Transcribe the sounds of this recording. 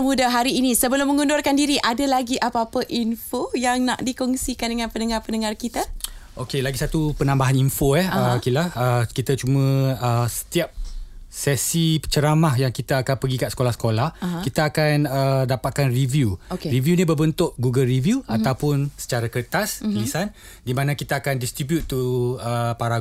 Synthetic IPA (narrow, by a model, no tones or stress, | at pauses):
mudaɦaɾiːnisəbəlʊməŋundʊrkandiɾiʔadalaɡiʔapaːpəʔinfojaŋna̰ʔdikɔŋsikandəŋãnpənəŋarpənəŋarkit̪aʔokelaɡisat̪upənãmbaɦaninfoɛəkilaəkit̪at͡ʃumə̃əsə̥t̪iap̚sɛsipət͡ʃəɾamahjaŋkit̪aːkanpəɡikaʔsə̥kolahsə̥kolahkit̪aːkanədapat̪̚kanrivjukeɾivjunibərbənt̪ʊʔɡuɡəlrivjuat̪awpʊnsə̥t͡ʃaɾakət̪askəlisan | dimãnakit̪aaːkandist̪ɾibjut̪ːuəpaɾa